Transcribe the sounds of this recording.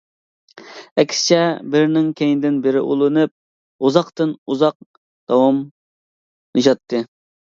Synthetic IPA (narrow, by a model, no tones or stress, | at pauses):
ɛkʲʰsɪ̥t͡ʃʰɛbɪɾnɪŋkʲʰejnd̪ɪnbɪɾɪʔulˠɨnɨp̚ | uzɑqt̪ɨnuzɑq̚ | d̪̥ɑwɑm | nɨʒɑt̪ʰːɨ